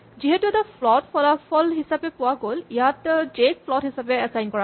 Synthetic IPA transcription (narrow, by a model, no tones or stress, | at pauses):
ziɦɛtuɛtapʰlɔtpʰɔlapʰɔlɦisapɛpʊwaɡolijatdek̚fʰlɔtɦisapɛɛsajnkɔɹa